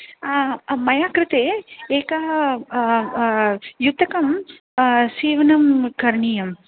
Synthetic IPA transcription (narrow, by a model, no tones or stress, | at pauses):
mɐjaːkɾɪt̪eːeːka | jut̪ɐkɐm | siːʋɐnɐmkɐɾɳiːjɐm